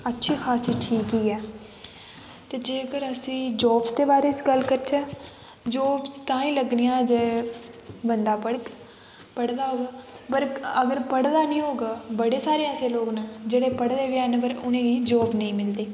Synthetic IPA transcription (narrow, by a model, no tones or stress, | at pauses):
ətːʃʰiːxʰaːsiːʈʰiːkiːɛː | t̪eːd͡ʒeːkəɾəsĩːd͡ʒɔːbsd̪eːbaːɾeːt͡ʃɡəlkəɾt͡ʃʰãː | d͡ʒɔːbst̪ãːĩːləɡnijãːd͡ʒeː | bənd̪aːpəɽ | pəɽd̪aːɦoːɡaːpəɾəɡəɾpəɽd̪aːnĩːɦoːɡaːbəɽeːsaːɾeãːəseːloːɡnad͡ʒeːɽeːpəɽd̪eːʋjaːnpəɾʊnẽːɡiːd͡ʒɔːbnəĩːmɪld̪eː